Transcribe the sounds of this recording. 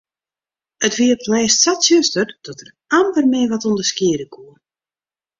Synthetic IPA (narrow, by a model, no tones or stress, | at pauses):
ətʋiəplɛːstsatsjøstərd̥ɔtər | ampərmɪəʋɔtundəskɪədəkʰuə